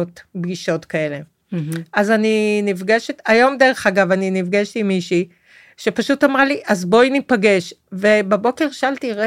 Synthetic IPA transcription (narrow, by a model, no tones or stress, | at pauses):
otbɡiʃo̞tkae̞le̞ | ʔazaninivɡeʃetajo̞mdeʁeχaɡavaninivɡaʃlimiʃi | ʃe̞paʃutamʁaliʔazbo̞inipaɡe̞ʃve̞babo̞ke̞ʁʃaltiʁe